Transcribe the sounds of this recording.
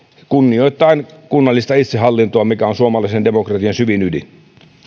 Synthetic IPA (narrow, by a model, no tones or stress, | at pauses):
kunːio̞it̪ˑːɑinkunːɑlːist̪ɑit̪seɦɑlːint̪oɑmikæonsuomɑlɑisende̞mokrɑt̪iɑnsyʋinydḭn